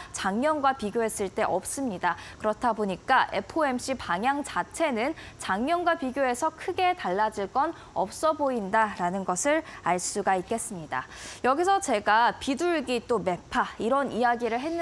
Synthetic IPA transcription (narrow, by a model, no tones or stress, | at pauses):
t͡ɕaŋɲʌnɡwapiɡjoɦe̞s͈ɯɭt͈e̞ʔʌp̚s͈ɯmɲidakɯɾʌtʰaboɲik͈aʔe̞pʰoe̞mɕ͈ipaŋjaŋt͡ɕat͡ɕʰe̞nɯnt͡ɕaŋɲʌnɡwapiɡjoe̞sʰʌkʰɯɡe̞taɭːad͡ʑiɭk͈ʌn | ʌp̚s͈ʌboindaɾanɯnɡʌsʰɯɾaɭs͈uɡaik̚k͈e̞s͈ɯmɲida̰jʌɡisʰʌt͡ɕe̞ɡapiduɭɡit͈ome̞pʰaiɾʌnijaɡiɾɯɭɦe̞nː